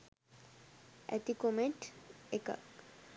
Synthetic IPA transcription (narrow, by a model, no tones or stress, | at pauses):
æ̰t̪ikomeʈeka̰k